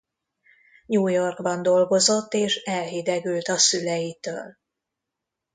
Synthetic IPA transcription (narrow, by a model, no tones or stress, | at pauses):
ɲuːjo̞rɡbɒnd̪o̞lɡo̞zo̞t̪ːeːʃɛlɦid̪ɛɡylt̪ɒsylɛjit̪ø̰ːl